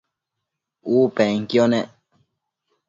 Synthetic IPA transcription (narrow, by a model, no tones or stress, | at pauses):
uːpeŋkjoneʔ